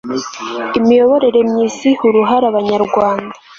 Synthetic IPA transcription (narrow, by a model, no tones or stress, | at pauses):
imijo̞βo̞ɾe̞ɾe̞mɲiːsihuɾuɦaɾaβaɲaɾɡwaːnda